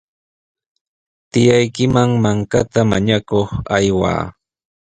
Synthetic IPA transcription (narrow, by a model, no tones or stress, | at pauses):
t̪ɪjajkɪmaŋmaŋkat̪amaɲakoχajwa̰ː